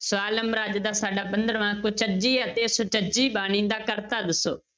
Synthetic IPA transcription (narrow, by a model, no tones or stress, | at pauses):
sʊaːləmɾaːd͡ʒd̪aːsaːɖaːpənd̪əɾəʋãːkʊt͡ʃəd͡ʒiːət̪eːsʊt͡ʃəd͡ʒiːbaːñĩːnd̪aːkəɾt̪aːd̪ɪso̰ː